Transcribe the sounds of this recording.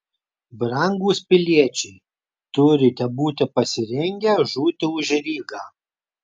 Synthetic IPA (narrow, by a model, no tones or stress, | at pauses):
bɾɐŋɡuːspʲɪlʲiɛt͡ʃʲɛɪ | t̪ʊɾʲɪt̪ʲɛbuːt̪ʲɪpɐsʲɪɾʲɛŋʲɡʲɛʒuːt̪ʲɪʊʒʲɛɾʲiːɡɑː